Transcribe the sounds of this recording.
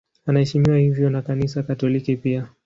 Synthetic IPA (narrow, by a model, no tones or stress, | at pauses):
anahɛʃimiwahivjɔnakanisakatɔlikipia